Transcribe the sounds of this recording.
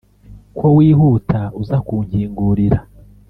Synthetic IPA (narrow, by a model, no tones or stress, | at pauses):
kʰwowiːɦuːtʰauzakuːɲhiːŋɡuɾiɾa